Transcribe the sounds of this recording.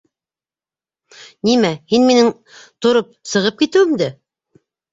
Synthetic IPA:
nimæhinminɘŋ | t̪ŏɾop̚sɤ̆ʁɤp̚kit̪ɘ̆wɘ̆md̪ɘ

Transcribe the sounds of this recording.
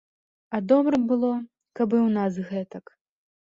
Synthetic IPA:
ɐd̪ɔbɾɐbɨlˠɔ | kɐbɨwnas̬ɣɛt̪ɐk

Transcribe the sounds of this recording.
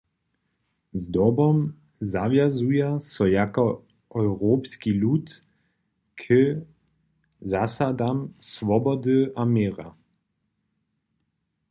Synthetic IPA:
zd̪ɔbɔm | zavjazujasɔjakɔ | ʔɔwʁoːpskilut̪ | kʰə | zasad̪amsvɔbɔd̪ɨʔamjeːʁa

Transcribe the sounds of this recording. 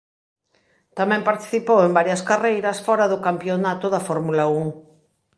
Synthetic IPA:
t̪amɛ̃mpaɾt̪i̥θipowembaɾjɐskarejɾɐsfɔɾɐðʊkampjonat̪ʊðɐfɔɾmulauŋ

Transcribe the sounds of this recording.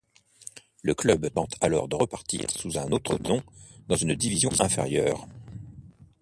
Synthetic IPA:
ləklœbt̪ɑ̃t̪ʰalɔ̰ʁd̪əʁəpaʁt̪ḭːʁsuzɛ̃not̪χə̰t̪ɔ̃d̪ɑ̃zynd̪ivizjɔ̃ʔɛ̃fḛʁjœ̰ːʁ

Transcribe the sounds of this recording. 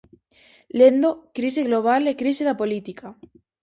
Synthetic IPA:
lend̪okɾiseɣloβ̞alekɾiseðapolit̪ika

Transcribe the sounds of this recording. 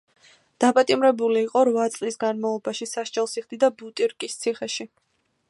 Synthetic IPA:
d̪̥apʼat̪ʼimɾɛbuliːqʼɔɾvat̪sʼlisɡanmalˠɔbaʃisaʃt͡ʃʼɛlˠsiʁd̪id̪abut̪ʼiɾkʼist̪sʰiχɛʃi

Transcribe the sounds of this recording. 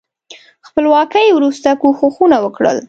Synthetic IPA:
xpəlwɑkəjwɾust̪akuxuxunawəkɽə̰l

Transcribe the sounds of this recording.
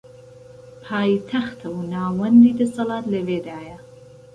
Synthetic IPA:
pʰaːjt̪ʰɐxt̪ʰɐwnaːwɐnd̪iːd̪ɐsɐlɑːt̪lɐveːd̪aːjɐ

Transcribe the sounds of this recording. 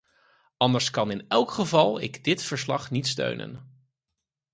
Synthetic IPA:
ɑndəɹskɑnɪnɛlˠkχəvɑlˠɪ̰ɡdɪtfəɹslɑχnitstø̰ɥnʔə̰n

